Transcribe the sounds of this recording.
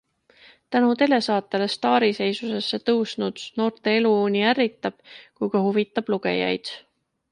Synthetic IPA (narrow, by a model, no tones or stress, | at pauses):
t̪ænut̪e̞le̞sɑːt̪ːˑele̞st̪ɑːɾise̞jsuse̞sːe̞t̪ɤwsnud̪̥no̞ːrt̪e̞eluoːnʲiæɾit̪ːˑɑb̥kujɡ̥ɑhuvit̪ːˑɑb̥luɡ̥e̞̰jɑ̰jd̪̥